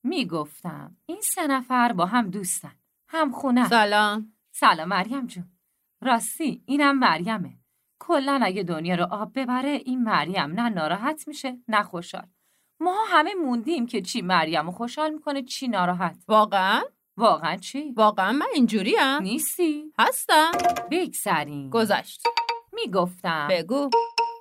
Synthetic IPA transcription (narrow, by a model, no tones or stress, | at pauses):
miːɡo̞ft̪æ̰m | insenæfæɾbɒːɦæmd̪uːst̪æn | hæmxunæsælɒːm | sælɒːmːæɾjæmd͡ʒun | ɾɒːst̪iiːnhæmːæɾjæme | kʰolːænæɟed̪onjɒːɾoʔɒːbːe̞bæɾeʔiːnmæɾjæmnænɒːɾɒːɦæt̪ʰmiʃenæxoʃhɒ̰ːl | mɒːɦɦæmemund̪imcʰe̞t͡ʃʰiːmæɾjæmoxo̞ʃhɒːlmiːkʰo̞net͡ʃʰiːnɒːɾɒːɦæt̪ʰvɒːɣeæn | vɒːɣeænt͡ʃʰivɒːɣeænmænind͡ʒuːɾiæniːst̪ihæst̪æmbe̞ɡz̥æɾiːmɡ̥ozæ̰ʃt̪miːɡoft̪æbeɡu